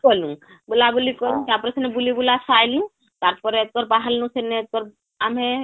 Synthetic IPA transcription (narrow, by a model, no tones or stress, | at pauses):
kɔlũ | bulabulikɔlũkiapɾesenebulibulasʰajlũ | t̪aɾpɔɾeet̪̚kɔɾbaɦəlnũsenet̪̚kɔɾ | ame